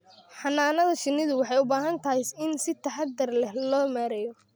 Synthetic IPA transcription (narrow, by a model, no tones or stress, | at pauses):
ħɑnːaːnɐðɐʃɪnːɪðʊwɑħɑjʊbaːɦɐnt̪ʰɐɦɛjsɪnsɪt̪ʰɐħɑd̪ɐrlɛhlɔːmaːɾɛjɔ